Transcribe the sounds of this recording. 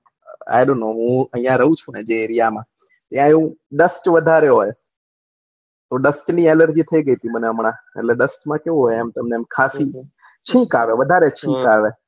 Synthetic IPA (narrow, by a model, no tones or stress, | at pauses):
a̰ːɪɗoːnoːɦũːəĩːãɾɐɦũt͡ʃʰũẽːd͡ʒeːɾɪjaːmãː | t̪jãːũɗəsʈʋəd̪ʱaːɾeɦoːj | t̪oːɗəsʈniːeːləɾd͡ʒiːt̪ʰəiɠəiːt̪ʰiməneəmɳãː | ɛ̰lɛːɗəsʈmãːkeoɦomt̪əmnemkʰaːsiː | t͡ʃʰĩːkaːʋeːʋəd̪ʱaːɾet͡ʃʰĩːkaːʋeː